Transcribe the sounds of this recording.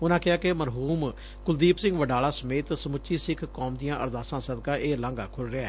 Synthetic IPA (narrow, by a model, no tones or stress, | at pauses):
ʊnãːkɪɦaːkeməɾɦuːm | kʊld̪iːpsɪ̃ŋɡʋəɖaːlaːsəmeːt̪səmʊt͡ʃʃiːsɪkʰkɔːmd̪ijãːʔə̰ɾd̪aːsãːsəd̪kãːʔeːlãːŋɡaːkʰʊlɾɪːaɛː